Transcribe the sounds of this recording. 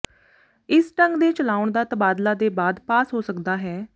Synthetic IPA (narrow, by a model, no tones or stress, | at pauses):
ɪsʈəŋɡd̪eːt͡ʃəlaːʊɳd̪aːt̪əbaːd̪laːd̪eːbaːd̪paːsɦoːsəkd̪aːɦɛː